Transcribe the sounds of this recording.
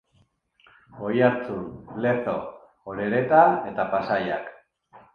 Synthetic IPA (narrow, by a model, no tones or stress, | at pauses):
o̞jaɾt͡sule̞t̪o | oɾe̞ɾe̞t̪ae̞t̪apasaja̰k